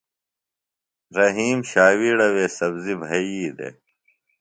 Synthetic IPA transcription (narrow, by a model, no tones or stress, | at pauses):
ɾɐɦiːmɕaːwiɽɐweːsɐbzibʱɐjiːd̪ḛː